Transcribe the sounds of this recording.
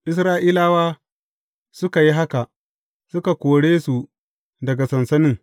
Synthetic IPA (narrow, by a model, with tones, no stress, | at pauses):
ʔɪ˦s̬ɾaː˦ʔiː˦laː˦waː˦ | sʊ˦ka˨ji˦ɦa˦ka˨ʔ | sʊ˦ka˨kʷoː˨ɽeː˦su˨ | dɐ˨ɡa˨sɐ˨nsɐ˦nɪ˦ŋ